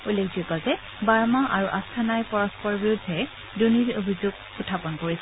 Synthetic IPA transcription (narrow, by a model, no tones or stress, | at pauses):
ulekʰzikazɛ | baɹmaʔaɹuʔastʰanajpɔɹɔspɔɹbiɹudʱːɛ | duniɹobʱizuɡ | ʊtʰːapɔnkoɹisɛ